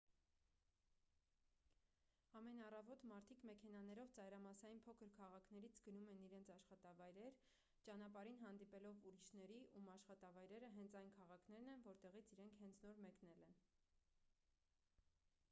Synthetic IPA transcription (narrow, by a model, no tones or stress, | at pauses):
ɑmɛnɑrɑvɔt̪mɑɾt̪ʰikmɛkʰɛnɑnɛɾɔvt͡sɑjɾɑmɑsɑjinpʰɔkʰəɾkʰɑʁɑkʰnɛɾit͡sʰɡənumɛniɾɛnt͡sʰɑʃχɑt̪ɑvɑjɾɛɾ | t͡ʃɑnɑpɑɾinɦɑnd̪ipɛlɔvuɾiʃnɛɾiʔumɑʃχɑt̪ɑvɑjɾɛɾəɦɛnt͡sʰɑjnkʰɑʁɑkʰnɛɾn̪ɛnvɔɾt̪ɛʁit͡sʰiɾɛŋkʰhɛnt͡sʰnɔɾmɛknɛlɛn